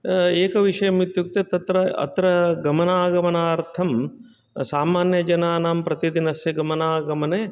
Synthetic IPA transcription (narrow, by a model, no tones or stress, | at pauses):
eːkɐʋiʂɐjɐmut̪juk̚t̪et̪ɐt̪ɾɐɐ̰t̪ɾɐɡɐmɐnaːɡɐmɐnaːɾt̪ʰɐm | saːmaːnjɐd͡ʒɐnaːnaːmpɾɐt̪id̪inɐsjɐɡɐmɐnaːɡɐmɐneː